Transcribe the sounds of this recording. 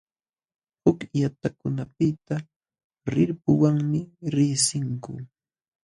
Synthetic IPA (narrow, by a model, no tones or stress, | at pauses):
hʊkjat̪akʊnapɪt̪a | ɾɪɾpʊwaŋmɪɾɪːsɪŋkʊ̰